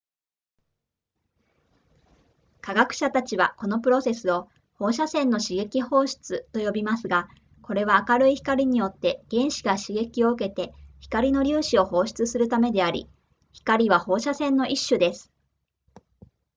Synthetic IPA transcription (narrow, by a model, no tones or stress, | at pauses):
kaɡakɯ̟̥ɕat̪at͡ɕiβako̞no̞pɯ̟ɾo̞se̞sɨo̞ | ho̞ːɕasẽ̞nːo̞ɕiɡe̞kʲiho̞ːɕi̥t͡sɨt̪o̞jo̞bʲimasɨɡa | ko̞ɾe̞βaːkaɾɯ̟içi̥kaɾʲiɲ̟ijo̞t̪ːe̞ɡ̥ẽ̞ɰ̃ɕi̥ɡaɕiɡe̞kʲio̞ɯ̟ke̞t̪e̞çi̥kaɾʲino̞ɾʲɨːɕio̞ho̞ːɕi̥t͡sɨsɨɾɯ̟t̪ame̞d̪e̞aɾʲḭ | çi̥kaɾʲiβ̞aho̞ːɕasẽ̞nːo̞ʔiɕːɨd̪e̞sɨ̥